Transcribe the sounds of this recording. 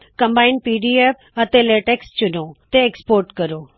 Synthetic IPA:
kɐ̃mbaːɪnpiːɖieːp | ɐt̪eleːʈeːkst͡ɕʊnoːt̪eekspoːɾʈkɐɾoː

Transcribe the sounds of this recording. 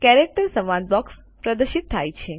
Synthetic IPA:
kɛɾek̚ʈəɾsəmãnbɔks | pɾəd̪əɾʃit̪ʰːajt͡ʃʰe

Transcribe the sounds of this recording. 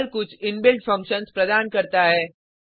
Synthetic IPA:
lkʊt͡ʃʰɪnbɪlɖfʰɐ̃ŋkʃənspɾɐd̪aːnkɐɾt̪aɦɛː

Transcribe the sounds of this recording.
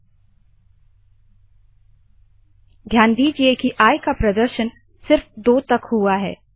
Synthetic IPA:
d̪ʱjaːnd̪iːd͡ʒiekiʔaːjkapɾɐd̪əɾʃən | sɪɾfd̪oːt̪ɐkɦuaɦɛ̰ː

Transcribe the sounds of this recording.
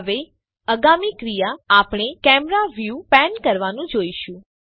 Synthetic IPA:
ʋe | əɡamikɾijaːpɽ̃ekɛmɾaʋjupɛnkəɾʋanũd͡ʒoiʃũ

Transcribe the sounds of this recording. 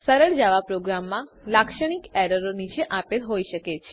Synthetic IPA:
səɾəɭd͡ʒaʋapɾoɡɾamːãlakʃəɽ̃ikɛɾəɾonit͡ʃʰeʔapelɦojʃəket͡ʃʰe

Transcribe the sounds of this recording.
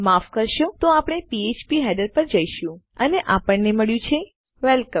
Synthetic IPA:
mafkəɾʃot̪oapɳ̃epiet͡ʃpiɦɛɖəɾpəɾd͡ʒəiʃũəneʔapəɳːeməɭjũt͡ʃʰe | ʋɛlkə

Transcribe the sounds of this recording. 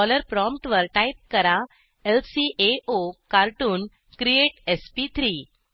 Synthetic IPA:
ɔləɾpɾɔmpʈʋəɾʈaip̚kəɾa | elsiʔeokaɾʈuːn | kɾieʈespit̪ʰɾiː

